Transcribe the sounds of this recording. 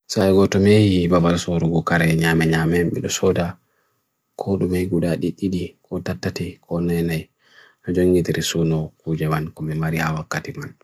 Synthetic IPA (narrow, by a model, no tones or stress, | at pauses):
saɛɡɔtɔmejibabalsɔɾuɡɔkaɾɛɲamɛɲamɛmɓɛ̰ɗɔsɔda | kʰɔɗumɛjɡuɗaɗiɗiɗikʰɔtatːatikʰɔnajnaj | nɔd͡ʒoŋɡitiɾisunɔkud͡ʒɛmankɔmɛmaɾihawakːatiman